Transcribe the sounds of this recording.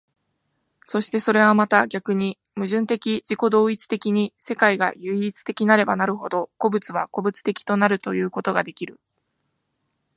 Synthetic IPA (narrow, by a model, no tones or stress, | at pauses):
so̞ɕi̥t̪e̞so̞ɾe̞β̞amat̪aɡʲakɯ̟ɲ̟i | mɯ̟ʑɨ̃nt̪e̞kʲiʑiko̞d̪o̞ːit͡sɨ̥t̪e̞kʲiɲ̟ise̞kaiɡa̰jɯ̟iːt͡sɨ̥t̪e̞kʲinaɾe̞banaɾɯ̟ɦo̞d̪o̞ko̞bɯ̟t͡sɨβako̞bɯt͡sɨ̥t̪e̞kʲi̥t̪o̞naɾɯ̟t̪o̞jɯ̟ːko̞t̪o̞ɡad̪e̞kʲiɾɯ̟